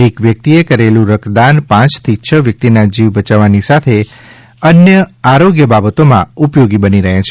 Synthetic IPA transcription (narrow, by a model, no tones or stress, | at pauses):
ekʋjək̚t̪iekəɾelũɾəkd̪anpãt͡ʃt̪ʰit͡ʃʰəʋjək̚t̪inad͡ʒiʋbət͡ʃaʋanisat̪ʰe | ənjəaɾoɡjəbabət̪omã̰upjoɡibəniɾəɦãt͡ʃʰe